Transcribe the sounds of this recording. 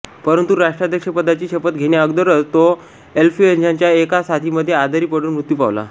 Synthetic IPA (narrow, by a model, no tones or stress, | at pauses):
pəɾənt̪uɾaʂʈɾad̪ʱjəkʂəpəd̪ʱːat͡ɕiːɕepət̪ɡʱeɽjaəɡd̪əɾət͡st̪o | elfied͡ʑaɲt͡ɕjaekasat̪ʰiːməd̪ʱːjead̪ʱaɾiːpəɽuːnmɾut̪ːjupa̰ʋla̰